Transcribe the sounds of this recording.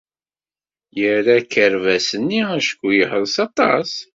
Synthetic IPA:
jəɾækːəɾvæsənːiæʃə̥kːujəhəlˤsɑt̪ˤɑs

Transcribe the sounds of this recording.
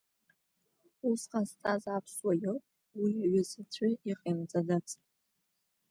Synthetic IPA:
usqast͡sʼazapʰswajo | wiaɥʷɪzɨt͡sʷʰaiqʼemd͡zadat͡sʰʼtʼ

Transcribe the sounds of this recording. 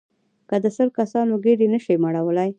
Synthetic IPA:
kəd̪əsəɾkasɑnoɡeɾenəʃimaɽawəlaj

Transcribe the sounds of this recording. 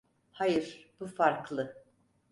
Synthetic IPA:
hajɯɾb̥ufaɾklˠɯ

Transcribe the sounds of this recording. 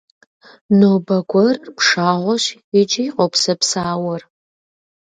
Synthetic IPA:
noːbɐɡʷɐrpʰʂaːʁʷɔʃid͡ʒijqʷʼɔpʰsɐpsaːwɐr

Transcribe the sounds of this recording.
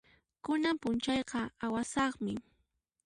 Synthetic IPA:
kʊnampʊnt͡ʃɑjqɑawasɑχmɪ

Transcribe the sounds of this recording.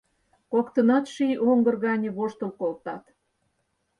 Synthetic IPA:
kokt̪ənɑt̪ʃijʔoŋɡə̆rɣɑnʲeβoʃt̪əlkolt̪ɑt̪

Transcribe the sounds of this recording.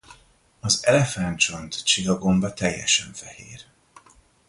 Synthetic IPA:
ɒzɛlɛfant͡ʃont̪t͡ʃilɒɡo̞ɱbɒt̪ɛjːɛ̰ʃɛɱfɛhḛːr

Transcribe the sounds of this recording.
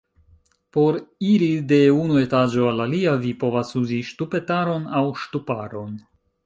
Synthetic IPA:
po̞ɾiɾide̞unue̞tad͡ʒo̞alaliavipo̞vasuziʃtupe̞taɾo̞nawʃtupaɾo̞n

